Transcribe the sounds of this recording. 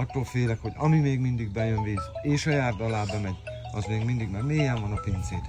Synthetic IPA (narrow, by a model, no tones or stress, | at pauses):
ɒt̪ːoːlfeːlɛkho̞ɟɒ̰mimeːɡmind̪iɡ̚bɛjønviːzeːʃɒjaːrd̪ɒlaːbɛmɛɟ | ɒ̰zmeːɡmind̪iɡmaɾmeːjɛɱvɒnɒpint̪seːt̪